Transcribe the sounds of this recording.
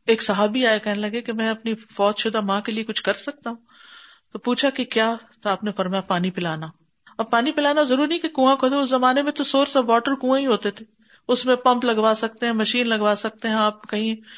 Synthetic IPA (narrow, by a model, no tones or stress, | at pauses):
eːksɐɦaːbʱiaːekɛɦnelɐɡekemɛ̃ːɐpnifɔːt̪ʃʊd̪amãːkeliekʊt͡ʃʰkɐɾsɐk̚t̪aɦũː | t̪opuːt͡ʃʰakekjaːt̪oaːpnefɐɾmjapaːnipɪlaːna | ɐbpaːnipɪlaːnazɐɾuːɾnɐɦĩkekũːãkʰoːt̪eʊszɐmaːnemẽt̪osoːɾsaʋɔːʈəɾkũːãĩɦoːt̪et̪ʰeː | ʊsmẽpɐ̃mplɐɡʋaːsɐk̚t̪eɦɛ̃mɐʃiːnlɐɡʋaːsɐk̚t̪eɦɛ̃aːp̚kɐɦĩ